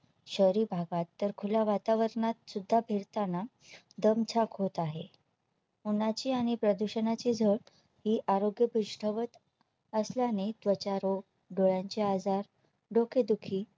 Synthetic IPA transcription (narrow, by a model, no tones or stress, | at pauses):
ɕəɾiːbʱaɡat̪ːəɾkʰulaʋat̪aʋəɾɳat̪sud̪ʱːabʱeɾt̪ana | d̪əmt͡ɕʰakɦot̪aɦe | unat͡ɕiːaɽ̃ipɾəd̪uɕənat͡ɕiːd͡zʱəɭ | ɦiːʔaɾoɡjəbuʂʈʰəʋət̪ | əsljaned̪ʋət͡ɕaɾo | ɖoɭaɲt͡ɕead͡zaɾ | ɖokʰed̪ukʰiː